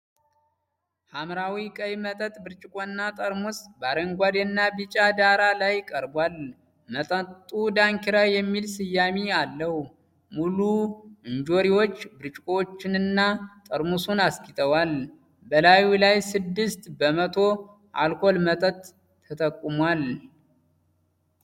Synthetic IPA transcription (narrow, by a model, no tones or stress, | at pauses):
hamɾawikʼəjmət̪ʼət̪ʼbɨɾt͡ʃʼɪkʼoɨnːat̪ʼəɾmusbaɾəŋɡʷad̪enːabɨt͡ʃʼad̪aɾalajkʼəɾbwal | mət̪ʼət̪ʼːud̪aŋkiɾajɛmːilsɨjːamialːəhu | muluɨnd͡ʒo̞ɾiwo̞t͡ʃːbɨɾt͡ʃʼɪkʼot͡ʃːɪnɨnːat̪ʼəɾmusunaskʰʼit̪ʰʼəwal | bəlajulajsɨd̪ːɨst̪bəmət̪ʰo̞ | ʔa̰lkʰo̞lmət̪ʼət̪ʼʰː | ət̪ʼəkʼːumwal